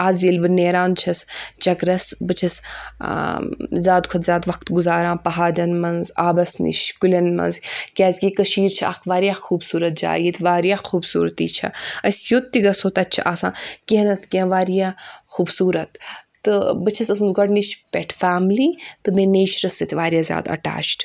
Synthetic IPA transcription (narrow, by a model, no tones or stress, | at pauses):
aːzilbɨneːɾaːnt͡ʃʰɐst͡ʃɐkɾɐsbɨt͡ʃʰɐs | zʲaːd̪kʰɐt̪zʲaːd̪ʋɐk̚t̪ɡuzaːɾãːpɐɦaːɖɐnmɐnzaːbɐsnḭʃkulʲɐnmɐ̰nzkʲaːzkʲikɐʃiːɾt͡ʃʰia̰ːkʰʋaːɾijaːxuːbsuːɾɐt̪̚d͡ʒa̰ːjit̪ʋaːɾijaːxuːbsṵːɾt̪ḭːt͡ʃʰɐ̰ɐsʲjot̪ːiɡɐsoːt̪ɐtt͡ʃʰaːsã̰ːkeɦnɐt̪kʲẽʋaːɾijaːxuːbsuːɾɐt̪ː | ɨbɨt͡ʃʰɐsɐsmɐzɡɐɖniʃpʲeʈʰfaːmliːt̪ɨmẽneːt͡ʃɾɐsːɐt̪ʰʲʋaːɾijaːzʲja̰ːd̪ɐ̰ʈa̰ːt͡ʃʈ